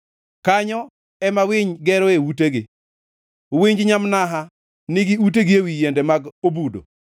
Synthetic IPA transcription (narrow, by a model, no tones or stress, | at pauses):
kaɲɔ | ɛmawɪɲɡɛɾɔewuteɡɪ | wiɲd͡ʒɲamnaɦa | nɪɡɪut̬eɡɪewijendɛmaɡobudo̰